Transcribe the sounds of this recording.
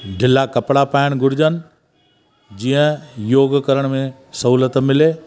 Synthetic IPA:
ɖʱɪlakɐpɽapaːɪɽ̃ɡʱʊɾɪd͡ʑən̆ | d͡ʑiːə̃joːɡkəɾəɽ̃mẽ | sɐɦuːlət̪mɪleː

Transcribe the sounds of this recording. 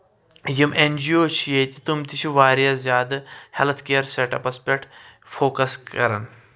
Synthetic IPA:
jimʔend͡ʑioːt͡ɕʰijet̪ʲi̥t̪umt̪it͡ʃʰiʋaːɾjazjaːd̪helt̪ʰkejɐɾseʈɐpɐspʲek̚ʈ | foːkɐskɐɾə̰n

